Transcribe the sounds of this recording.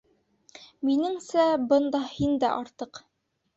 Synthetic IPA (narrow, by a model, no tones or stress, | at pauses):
minɘ̆ŋsæbɤ̆nd̪ɑhind̪æʔɑɾt̪ɤq